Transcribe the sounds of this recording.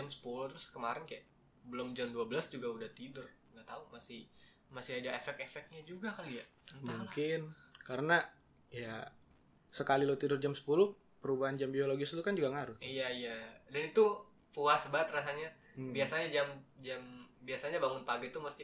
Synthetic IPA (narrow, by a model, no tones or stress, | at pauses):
amsə̥pulʊht̪ɾʊskəmaɾɪnkajaʔ | bəlʊmd͡ʒamduabəlasd͡ʒuɡaudaht̪idʊr | ŋɡaʔt̪aumasɪh | masɪɦadaefɛkefɛk̚ɲad͡ʒuɡakalija | muŋkɪnkaɾəna | ja | səkalilat̪idʊrd͡ʒamsə̥pulʊh | pəɾubaɦand͡ʒambioloɡɪslukand͡ʒuɡaŋaɾʊijaijadanit̪u | fuasbaət̪rasaɲa | biasaɲad͡ʒamd͡ʒambiasaɲabaŋʊnpaɡat̪uməst̪i